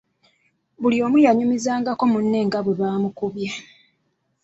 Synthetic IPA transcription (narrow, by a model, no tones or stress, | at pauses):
βuljo̞ːmujaɲumizaːŋɡako̞munːe̞ːŋɡaβwe̞βaːmukuβja